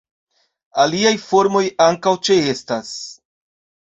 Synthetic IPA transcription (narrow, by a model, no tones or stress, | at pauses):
aliajfo̞ɾmo̞jaŋkawt͡ʃe̞e̞stas